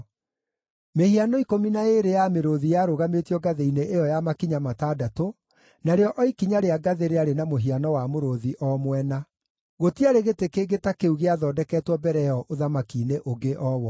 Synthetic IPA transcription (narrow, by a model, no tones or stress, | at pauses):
mehianɔikominaeɾejameɾoðijaɾoɣametiɔɡaðeineʔejɔjamakiɲamataːdato | naɾeɔʔɔikiɲaɾeaɡaðeɾeaɾenamoɦianɔwamoɾoðiʔɔmwɛna | ɣotiaɾeɣetekeɡetakeuɣeaðɔːdɛkɛːtwɔbɛɾɛɔʔoðamakiːneʔoɡeʔɔwɔ